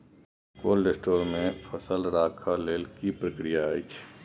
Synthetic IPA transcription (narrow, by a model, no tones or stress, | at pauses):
koːlːesʈoːɾmẽfʰəsəlɾaːkʰaleːlkipɾəkɾɪjait͡ʃʰ